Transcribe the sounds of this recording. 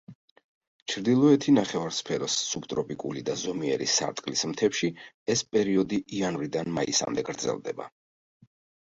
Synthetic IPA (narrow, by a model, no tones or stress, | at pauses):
t͡ʃʰɾd̪ilˠɔɛt̪ʰinaχɛvaɾspʰɛɾɔsːubt̪ʼɾɔpʼikʼṵlid̪azɔmiɛɾḭsa̰ɾt̪ʼqʼkʼlismt̪ʰɛpʃi | ɛspʼɛɾiɔd̪iʔːanvɾid̪anmaḭsa̰md̪ɛɡɾd̪zɛ̰lˠd̪ɛ̰ba̰